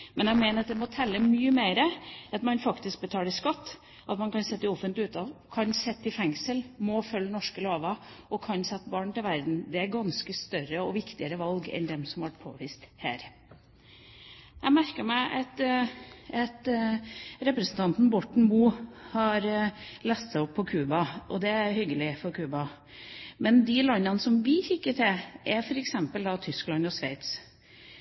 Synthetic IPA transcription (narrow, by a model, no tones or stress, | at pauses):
mɛnjæɡmeːnəɾɑt̪d̪ɛmɔt̪ʰɛlːəmyːəmeɪɾəɑt̪mɑnfɑkt̪ɪsk̚bət̪ʰɑːlɪskɑt̪ː | ʔɑt̪mɑnkʰɑnsɛt̪ːɪɔfənt̪lɪʉːt̪ɑʋkʰɑnsɛt̪ːɪfɛŋsəlmɔfœlːnɔʂkəloːʋɑ | ɔkʰɑnsɛt̪ːbɑːɳt̪ɪlʋæɾd̪n̩d̪ɛæɾɡɑnskəst̪œɾəɔʋɪkt̪ɪəɾəʋɑlɡɛ̰nd̪ɛmsɔmhɑʋæʈ̚pʰo̰ːʋiːst̪hæ̰ːɾ | jæmæɾkəmæɪʔɑt̪ | ɛt̪ | ɾɛpɾəsən̩t̪ʰɑnt̪n̩bɔʈɳ̩muːhɑɾlɛst̪sæɪɔpʰːɔkʰʉːbɑʔɔd̪ɛæɾhʏɡːəlɪfɔɾkʰʉːbɑ | mɛnd̪ɪlɑnːɑnəsɔmʋɪçɪkːəʈ̪ʰɛʔæɾfɔɾɛksɛmpəld̪ɑt̪ʰʏsklɑnɔsʋæɪt̪s